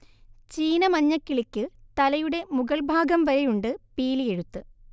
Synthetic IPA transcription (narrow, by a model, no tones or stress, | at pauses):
t͡ɕiːnɐmɐɲːɐkːiɭikʲːɨt̪ɐlɐjuɽe̞muɡɐɭbʱaːɡɐmʋɐɾɐjuɳɖɨpiːlije̞ɻut̪ːɨ